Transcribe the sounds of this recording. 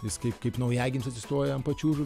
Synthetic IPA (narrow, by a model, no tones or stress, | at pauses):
jɪskɐɪpkɐɪpnɐʊjæːɡʲɪnʲmʲsɐt̪sʲɪst̪oːjɛɐnpɐt͡ʃʲuːʒʊʋʲ